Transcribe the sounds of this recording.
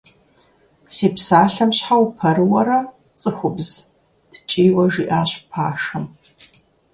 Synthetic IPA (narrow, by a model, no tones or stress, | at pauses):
siːpsaːɬɐmɕħawpʰɐrɨwɐɾɐ | t͡sʼɨxʷʊbz̥ | d̥t͡ʃʼejwɐʒiʔaːɕpʰa̰ːʂɐm